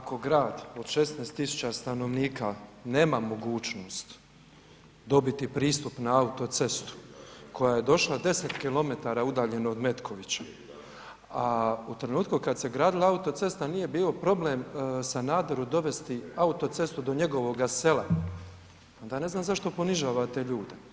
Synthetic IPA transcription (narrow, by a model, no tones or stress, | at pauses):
ako̞ɡɾaːd̪o̞d̪ʃe̞snest̪ːisu̥t͡ɕast̪ano̞ʋniːkane̞ːmamo̞ɡuːt͡ʃnoːst̪ | d̪o̞bit̪ipɾiːst̪upnaaut̪o̞t̪se̞st̪u̥kʰo̞jaje̞d̪o̞ʃlˠad̪e̞set̪kilo̞me̞t̪aːɾaːud̪aːʎe̞nood̪me̞t̪kʰo̞ʋit͡ɕḁ | aut̪ɾe̞nuːt̪kukad̪se̞ɡɾaːd̪ilaaut̪o̞t̪se̞st̪anije̞biːlo̞pɾo̞blemsanaːd̪oɾud̪o̞ʋe̞st̪iaut̪o̞t̪se̞st̪ud̪o̞ɲe̞ɡo̞ʋo̞ɡase̞la | o̞nd̪aːne̞znaːmzaʃt̪o̞po̞niʒaːʋat̪e̞ʎuːd̪e